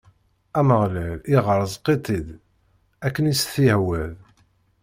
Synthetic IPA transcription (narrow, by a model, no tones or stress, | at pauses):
æməʁlæliʁəɾˤzˤqːit̪ˤid̪ | ækːənisθihwæð